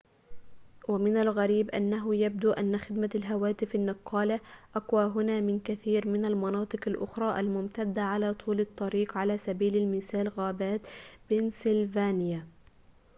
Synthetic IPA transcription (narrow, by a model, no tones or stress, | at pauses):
wamɪnalɣaɾiːbʔanːaɦʊjab̚d̪uːʔanːaxɪd̪malɦawaːt̪ɪfanːɨqːɑːlaʔaqwaːɦʊnaːmɪnkaθiːɾmɪnalmɑnɑːt̪ˤɨqalʔʊ̰xɾˤɑːʔa̰lmʊmt̪ad̪ːaʕalaːt̪ˤʰuːlɨt̪ˤːɑɾiːqʕalaːsabiːlalmɪθaːlɣaːbaːt̪b̥ɪnsɪlvaːnɪja